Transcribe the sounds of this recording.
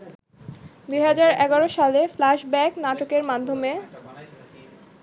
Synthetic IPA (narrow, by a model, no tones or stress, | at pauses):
d̪ujɦad͡ʑaɾɛɡaɾoʃaleflaʃbɛknaʈokeɾmad̪ʱːome